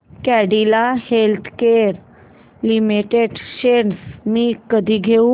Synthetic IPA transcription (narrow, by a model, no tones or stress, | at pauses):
kɛɽilahelt̪ʰkeɾ | limiʈeɖɕensmiːkəd̪ʱiːɡʱeũ